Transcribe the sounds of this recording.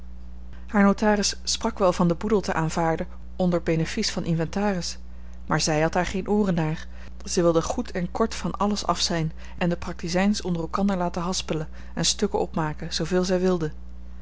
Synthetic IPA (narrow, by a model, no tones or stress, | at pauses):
haːɹnowtaːrɪsːprɑkʋɛlˠvɑndəbudəlˠtəʔaːnvaːɹdə | ɔndəɹbejnəfisfɑnʔɪnvɛntaːrɪs | maːɹzɛjɦɑt̚aːɹχejnʔoːrənːaːɹ | z̥ɛjʋɪlˠdəχutʰɛnkɔɹtfɑnɑləsɑ̰fsɛjn | ʔɛndəprɑk̚tizɛjnsɔndərɛlˠkɑndəɹlaːtəɦɑspələ | ɛnstɵkəʔɔpmaːkəz̥owveːlˠzɛjʋɪlˠdə